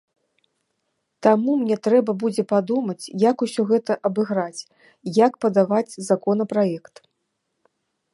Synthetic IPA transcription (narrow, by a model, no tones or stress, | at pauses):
t̪amumnʲɛt̪ɾɛbɐbud͡zʲɛpad̪umɐt͡sʲjakusʲɔɣɛt̪ɐʔɐbɨɣɾat͡sʲ | jakpɐd̪avat͡sʲzakɔnɐpɾajɛkt̪